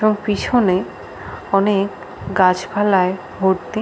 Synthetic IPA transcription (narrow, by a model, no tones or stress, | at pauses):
oŋpit͡ɕʰone | ɔnek | ɡat͡ɕbʱalae | ɦoɾt̪i